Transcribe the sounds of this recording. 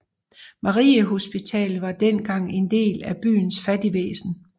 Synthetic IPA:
mɑ̈ʁḭːəɦo̝sb̥it͡sʰɛ̰ːlʋɑ̈d̥enɡ̥ɑ̈ŋ̰e̝nd̥e̝̰ːlæb̥y̰ːnsfæd̥iʋḛːsn̩

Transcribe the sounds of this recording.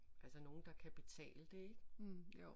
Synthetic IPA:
ʔælsəno̝ːn̩d̥ɑ̈kʰæb̥e̥t͡sʰɛ̰ːld̥e̝e̝ɡ̥

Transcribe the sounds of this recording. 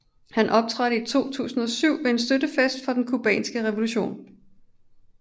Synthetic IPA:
hænʔɒ̽b̥̚t͡sʰʁɑ̈ɾ̥əit͡sʰo̝̰ːt͡sʰṵːsn̩ɒ̽syʊ̰ʋe̝e̝nsd̥ødəfesd̥fɒ̽d̥enkʰub̥ɛ̰ːnsɡ̥əʁɛʋo̝luɕo̝̰ːn

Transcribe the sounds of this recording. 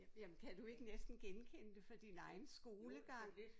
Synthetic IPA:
jæmnkʰæd̥ue̝ɡ̥ənesd̥n̩ɡ̥enkʰen̰əd̥e̝fɒd̥inɑ̈ɪn̩sɡ̥o̝ːləɡ̥ɑ̈ŋ̰

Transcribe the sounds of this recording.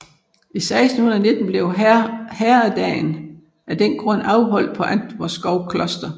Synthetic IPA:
isɑ̈ɪsd̥n̩hun̩ˠɐne̝d̥n̩b̥le̝ʊhæːɐæd̥ɛ̰ːn | ʔæd̥enɡ̥ʁɔ̽n̰ɑ̈ʊɦɒ̽l̰̥pʰɒ̽ʔænd̥ʋɒsɡ̥ɒʊkʰlɒ̽sd̥ɐ

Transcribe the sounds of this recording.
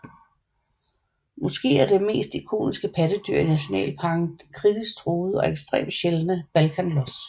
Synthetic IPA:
mɔ̽sɡ̥e̝̰ːæɐd̥e̝me̝̰ːsd̥ikʰo̝̰ːnisɡ̥əpʰæd̥əd̥yɐ̰inæɕo̝nɛ̰ːlpʰɑ̈ɡ̥n̩̥kʰʁiðˠisɡd̥ʰʁoːð̩ˠəɒ̽eɡ̥sd̥ʁḛːmɕelnəb̥ælkʰænlɔs

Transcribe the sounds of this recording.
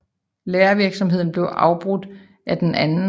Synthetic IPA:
leːɐʋiɐɡ̥sɒ̽mɦe̝ð̰ˠn̩b̥le̝ʊʔɑ̈ʊb̥ʁud̥ | ʔæd̥enʔænn̩

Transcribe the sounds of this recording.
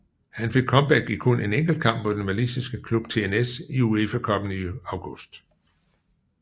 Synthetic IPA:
hænfe̝ɡ̥̚kʰɒ̽mb̥æɡ̥̚iɡ̥kʰone̝neŋ̰ɡ̥l̩d̥̚kʰɑ̈m̰b̥̚pɒ̽d̥enmælisisɡ̥əkʰlub̥̚t͡sʰe̝enesiuefækʰɒ̽b̥n̩iɑ̈ʊɡ̥ɔsd̥

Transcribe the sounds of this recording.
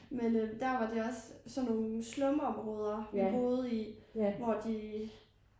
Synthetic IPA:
menød̥æɐʋɑ̈d̥eɒ̽ssɒ̽nːo̝ːnslɔ̽məɒ̽mʁɔːð̞ˠɐb̥o̝ːð̩ˠiʋɒd̥i

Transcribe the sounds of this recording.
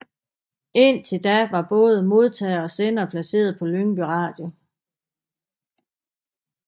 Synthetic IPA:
e̝n̰t͡sʰe̝ld̥æʋɑ̈b̥ɔ̽ːð̞ˠəmo̝ð̞ˠt͡sʰɛ̰ːð̩ˠɒ̽senɐpʰlæse̝̰ːɐð̞̩ˠpʰɒ̽løŋb̥yʁɑ̈ːd̥jo̝

